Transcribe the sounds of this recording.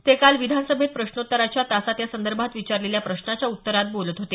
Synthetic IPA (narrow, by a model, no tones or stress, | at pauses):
t̪ekalʋid̪ʱansəbʱet̪̚pɾəɕnot̪ːəɾat͡ɕjat̪asat̪jasənd̪əɾbʱat̪ʋit͡ɕaɾleljapɾəɕnat͡ɕjaut̪ːəɾat̪̚bolət̪ɦot̪e